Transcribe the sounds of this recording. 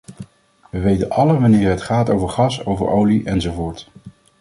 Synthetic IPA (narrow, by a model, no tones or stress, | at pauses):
ʋəʋejtənʔɑlənʋɑnɪːɹɦətχaːtowvəɹχɑsowvə̰ɹʔowliʔɛnzowvoːɹt